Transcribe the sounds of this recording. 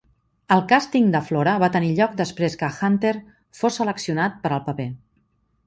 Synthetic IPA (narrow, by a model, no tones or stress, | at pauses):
əlˠkast̪iŋd̪əflɔɾəβat̪əniʎɔk̚d̪əspɾeskəxant̪eɾ | fosːələksiunat̪̚pəɾəlˠpəpe